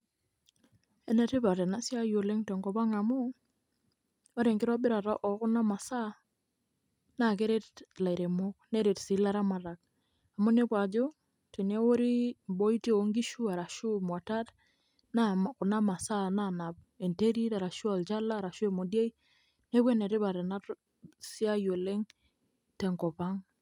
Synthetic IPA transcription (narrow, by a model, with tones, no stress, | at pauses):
ɛ˦ne˨te˦pa˨tɛ˨na˦sja˦jo˨le˦ŋtɛ˨ŋɡɔ˨pa˦ŋa˨mʊ˦ | o˦ɾe˨ŋkɪ˦ɾɔ˦bɪ˦ɾa˨ta˦ʔɔ˨kʊ˦na˦ma˨sa˦ | na˨ke˦ɾe˦tla˨i˨ɾe˨mo˦kne˦ɾe˨tsi˨˦la˦ɾa˦ma˨ɾa˨k̚ | a˨mʊ˦ne˦kwa˨d͡ʒo˦ | te˨ne˦wo˦ɾi˦bo˦i˦te˦o˦ŋɡi˦ʃu˦a˨ɾa˨ʃʊ˦mwa˨ta˦t | nakʊ˨na˦ma˨sa˦na˦˨na˨p̚ | e˨nte˦ɾi˦ta˨ɾa˨ʃu˦a˨lt͡ʃa˦laː˦˨ɾa˨ʃu˦e˨mo˨de˦i˦ | ne˦bwe˦ne˨ɾɪ˦pa˨ɾe˨na˦t | si˦a˦jo˨le˦ŋ | tɛ˨ŋkɔ˨pa˦ŋ